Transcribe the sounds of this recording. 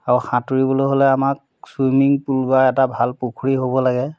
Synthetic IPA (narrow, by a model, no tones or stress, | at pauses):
aɹuxãtuɹibɔloɦolɛamak̚ | swimiŋpulbaɛtabʱalpukʰuɹiɦobɔlaɡɛ